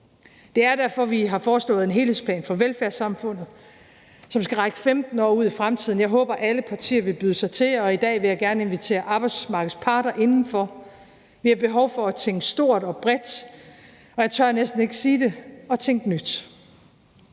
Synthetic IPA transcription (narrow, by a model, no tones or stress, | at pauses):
d̥e̝æɐd̥æɐfɒ̽ʋiɦɑ̈fɒːsl̥ɔ̰̽ːð̩ˠe̝nɦe̝ːlhḛsplɛ̰ːnfɒ̽ʋelfæɐsɑ̈mfɔ̽n̰ð̩ˠ | sɒ̽msɡ̥æʁaɡ̥əfemd̥n̩ɒ̰ːuð̞̰ˠifʁamt͡sʰið̞̰ˠn̩jɑ̈ɪɦɔ̰̽ːb̥ɐʔæləpʰɑ̈t͡sʰḭːɐʋe̝lb̥yːðˠəsɑ̈ɪt͡sʰe̝lɒ̽id̥ɛ̰ːʋe̝jɑ̈ɪɡ̥æɐnəe̝nʋit͡sʰe̝̰ːɐʔɑ̈ːb̥ɑɪd̥smɑ̈ːɡ̥ð̩ˠspʰɑ̈ːɾ̥ɐʔe̝nn̩fɒ̽ | ʋihɑ̈b̥e̝ɦɒʊfɒ̽æt͡sʰeŋ̰ɡ̥əsd̥o̝ɐ̰d̥ɒ̽b̥ʁɛd̥ | ɒ̽jɑ̈ɪt͡sʰɶɐnesd̥n̩e̝ɡ̥əsiːd̥e̝ɒ̽t͡sʰeŋ̰ɡ̥ənyd̥